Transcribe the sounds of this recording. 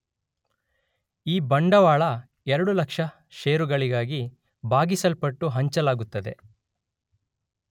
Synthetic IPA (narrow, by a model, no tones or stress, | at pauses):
iːbɐɳɖɐʋaːɭɐ | ɛɾɐɽulɐkʂɐ | ʃeːɾuɡɐɭiɡaːɡi | bʱaːɡisɐlpɐʈːuɦɐɲt͡ʃɐlaːɡut̪ːɐd̪e̞